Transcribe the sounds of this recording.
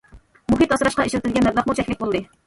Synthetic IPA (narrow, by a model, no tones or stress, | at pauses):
muɦɨt̪ɑsɨɾɑʃqɑeʃlɪt̪ʰɪlɡʲɛnːɛvlɑqmut͡ʃʰɛkʲlɪk̚ʲbolˠd̪ɨ